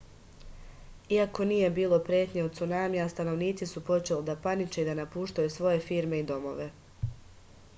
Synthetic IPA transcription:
iako̞nije̞biːlˠo̞pɾjeːt̪ɲeot̪t̪sunaːmiast̪ano̞ʋniːt̪sisupo̞t͡ʃe̞lid̪apanit͡ʃe̞id̪anapuːʃt̪ajusʋo̞je̞fiːɾme̞id̪o̞mo̞̰ʋe̞

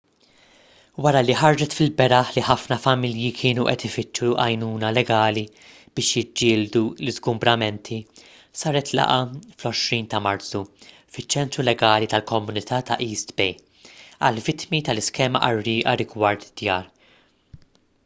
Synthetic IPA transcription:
wɐɾɐliħɐɾd͡ʒɛt̪fɪlbɛɾɐħliħɐfnɐfɐmɪljikʰɪːnuʔɛ̰t̪ɪfɪt͡ʃːuʔɐjnuːnɐlɛɡɐːli | b̥ɪːʃjɪd͡ʒːɪːld̪ulɪzɡʊmbɾɐmɛnt̪ʰi | sɐːɾɛt̪ʰlɐ̰ʔɐflɔʃɾiːnt̪ɐmɐɾt̪t͡su | fɪt͡ʃːɛnt̪ɾulɛɡɐːlit̪ɐlkɔmːʊnɪt̪ʰɐːt̪ɐ̰ʔiːst̪bɛj | ɐ̰lvɪt̪mit̪ɐlɪskɛːmɐ̰ʔɐrːɪːʔɐɾɪɡwɐɾt̪d̪̥jɐːɾ

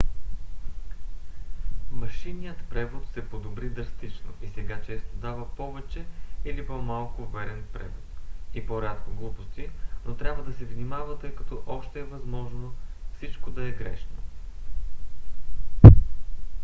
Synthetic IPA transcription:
mɐʃinijət̪pɾɛvot̪sɛpod̪obɾid̪ɾɐst̪it͡ʃno̰ʔisɛɡat͡ʃɛst̪od̪avəpɔvɛt͡ʃɛilipomalˠkʊvɛɾɛnpɾɛ̰vot̪ipoɾʲat̪koɡlˠupost̪inʔot̪ɾʲabvəd̪ɐsɛvnimavət̪ɤjkɐt̪ɔʔɔʃt̪ɛːvɐzmɔʒnofsit͡ʃkod̪ɐɛɡɾɛ̰ʃno

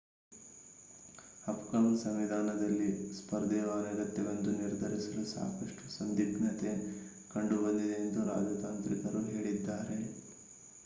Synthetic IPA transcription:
ɐpkɐmsɐmʋid̪ʱaːnɐd̪ɐlːispɐɾd̪ɛʋaːɾɐɡɐt̪ːɛʋɐnd̪uniɾd̪ʱɐɾisɐlusa̰ːkɐʂʈu̥sɐnd̪ibnɐt̪e̞ | kɐɳɖubɐnd̪id̪eːnd̪uɾa̰ːd͡ʒɐt̪aːnt̪ɾikɐɾuɦe̞ːɭid̪ːaːɾe̞

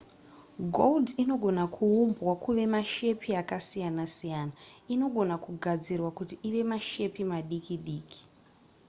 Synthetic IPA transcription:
ɡʱoldino̞ɡʱo̞nakʰuumbwakuʋe̞maʃe̞pʰiakasijanasijaːnaino̞ɡʱo̞nakuɡʱad͡zirwakutiʔiʋe̞maʃe̞pimaɗikiɗiːkʰi̥

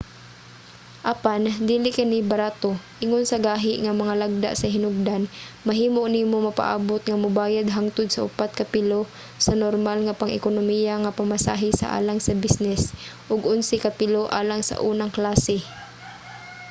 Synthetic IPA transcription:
ʔapand̪iːlɪkanibaɾaːt̪oʔɪŋonsɐɡaːɦɪʔŋamɐŋalaɡ̚d̪a̰ʔsɐɦɪnʊɡ̚d̪anmɐɦiːmonimomɐpa̰ʔa̰ːbot̪̚ŋamʊbaːjad̪̚ɦaŋt̪ʊd̪̚sɐʔʊ̰pat̪̚kapɪlo | sɐnoɾmalŋapaŋʔɪ̰konomijaŋapamasa̰ːɦɪsa̰ʔa̰ːlaŋsɐbisnɛsʔʊɡʊnsɪkapɪloʔaːlaŋsa̰ʔuːnaŋklaːsɛ

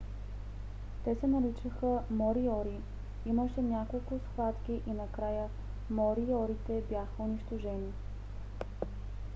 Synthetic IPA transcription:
t̪ɛsɛnɐɾit͡ʃəxəmɔɾiɔɾi | iməʃɛnʲakolˠkʊsxvat̪k̟ʲiʔinɐkɾajə | mɔɾiɔɾit̪ɛbjaxəʊniʃt̪oʒɛni

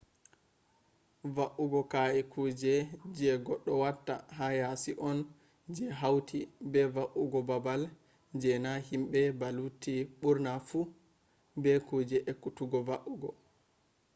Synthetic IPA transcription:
vaʔuɡɔkaɛkʰud͡ʒɛd͡ʒɛɡɔɗːɔwatːa̰ɦajasiʔɔn | d͡ʒɛɦawtʰibɛvaʔuɡɔbabal | d͡ʒɛnahimɓɛbalutiɓuɾnafu | bɛkud͡ʒɛʔɛkutuɡɔvaʔuɡɔ

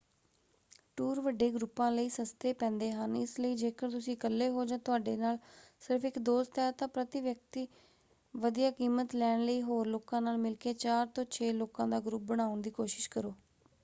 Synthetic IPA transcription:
ʈuːɾʋəɖeːɡɾʊpːãːləiːsəst̪eːpɛ̃ːnd̪eːɦənɪsləiːd͡ʒeːkəɾt̪ʊsĩːkəlːeːɦoːd͡ʒãːt̪ʊaːɖeːnaːlsɪɾpʰɪkd̪oːst̪ɛːt̪ãːpɾət̪ɪʋjək̚t̪iː | ʋəd̪ijaːkiːmət̪lɛːɳləiːɦoːɾloːkãːnaːlmɪlkeːt͡ʃaːɾt̪õːt͡ʃʰeːloːkãːd̪aːɡɾʊp̚bəɽ̃aːʊnd̪iːkoːʃɪ̥ʃkəɾoː

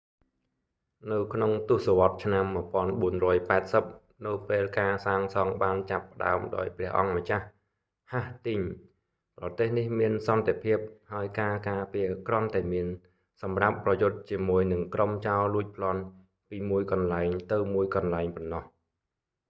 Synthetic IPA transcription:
nɨwkʰnoŋt̪ʊ̆əhsoʋɑt̪̚t͡ɕʰnamːɨ̆əpŏənɓuənrɔːjpaɛt̪̚səp̚ | nɨwpeːlkaːsaːŋsɑŋɓaːnt͡ɕapːə̆ɗa̰əmɗa̰ɔjprɛ̆əhʔɑŋmət͡ɕah | haht̪ɨɲ | prɑt̪eːhnihmiənsɑnt̪epʰiəp̚haəjkaːkaːpiəkrŏənt̪aɛmiən | sɑmrapːrɑjʊt̪̚t͡ɕiəmuəjnɨŋkromt͡ɕaɔlluəc̚pʰlŏən | piːmuəjkɑnlaɛŋt̪ɨwmuəjkɑnlaɛŋpɑnːɑh

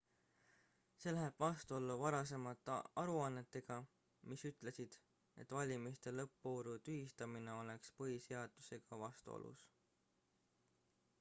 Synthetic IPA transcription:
se̞ːlæɦeb̥vɑst̪uo̞lːuvɑɾɑs̬e̞mɑt̪ːˑɑɾuɑnːe̞t̪ːˑe̞ɡ̥ɑ | misyt̪ˑle̞sid̪̥ | e̞̰t̪ːˑvɑlʲimist̪e̞lɤpːoːɾut̪yhist̪ɑmineo̞le̞kspɤɦise̞ɑd̪̥use̞ɡ̥ɑvɑst̪ṵo̰lṵs

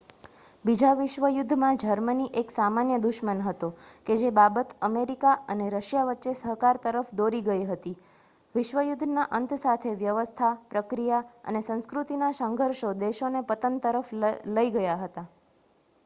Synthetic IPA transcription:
bid͡ʒaʋɪʃʋəjʊd̪ʱːmãd͡ʒəɾməniʔeksamanjəd̪uʃmənɦət̪oked͡ʒebabət̪əmeɾikaʔəneɾəʃjaʋətːʃesəɦkaɾt̪əɾəfd̪oɾiɡəiɦət̪i | ʋɪʃʋəjʊd̪ʱnaʔənt̪sat̪ʰeʋjəʋəst̪ʰapɾəkɾijaə̰nesə̃ñskɾut̪inasəŋɡʱəɾʃod̪eʃonepət̪ənt̪əɾəfləiɡəjaɦət̪a

